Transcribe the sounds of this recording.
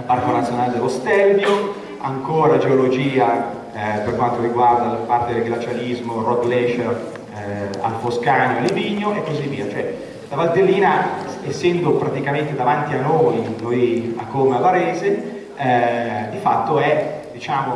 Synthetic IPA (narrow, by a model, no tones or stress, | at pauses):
parkonat̪sjonaːled̪elost̪ɛlbjo | a̰ŋkoːɾad͡ʒeolod͡ʒiːa | perkwant̪oɾiɡward̪alpart̪ed̪elɡlat͡ʃalizmorɔd̪lɛʃa | a̰lfoskaːnoaliviːɲːoʔekːozivːiːat͡ʃoɛ | labalt̪elːiːnaesːɛnd̪opɾat̪ikament̪ed̪avant̪ianːoːjnoja̰kːoːmeavaɾɛːze | d̪ifa̰t̪ːoɛd̪̥it͡ʃaːmo